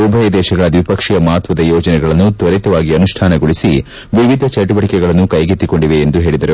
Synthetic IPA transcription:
ubʱɐjɐd̪ɛːʃɐɡɐɭɐd̪ʋipɐkʂijɐmaːt̪ʋɐd̪ɐjɔːd͡ʒɐnɛɡɐɭɐnːut̪ʋɐɾit̪ɐʋaːɡiɐnuʂʈʰaːnɐɡuɭisi | ʋiʋid̪ʱɐt͡ʃɐʈubɐʈikɛɡɐɭɐnːukɐjɡit̪ːikoɳɖiʋeːnd̪uɦe̞ːɭid̪ɐɾu

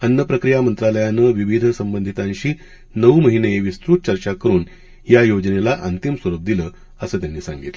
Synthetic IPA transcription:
ənːəpɾəkɾijamənt̪ɾaləjanəʋiʋid̪ʱəsəmbənd̪ʱit̪ãnɕiː | nəʋməɦineʋist̪ɾut̪̚t͡ɕəɾt͡ɕakəɾuːn | jajod͡ʑənelaʔənt̪imsuɾub̚d̪iləː | əsəːt̪janːiːsã̰ŋɡḭt̪l

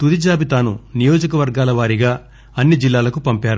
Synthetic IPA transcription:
t̪ud̪id͡ʒaːbit̪aːnunijoːd͡ʒɐkɐʋɐɾɡaːlɐʋaːɾiɡaː | ɐnːid͡ʒilːaːlɐkupɐmpaːɾu

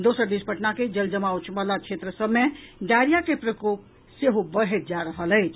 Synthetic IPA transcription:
d̪osəɾd̪ispəʈnaked͡ʒəld͡ʒəmaut͡ʃʰbəlat͡ʃʰet̪ɾəsəbmeɖ̪aɾijakepɾəkop | seɦobəɦet̪̚d͡ʒaɾəɦələɪt͡ʃʰ

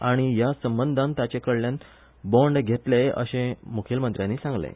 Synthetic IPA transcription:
aɽ̃ijasəmbənd̪ʱãnt̪at͡ɕekəɭljan | bõɳɖɡʱet̪leə̰ɕẽmukʰjəlmənt̪ɾjanːiːsãŋɡlḛ

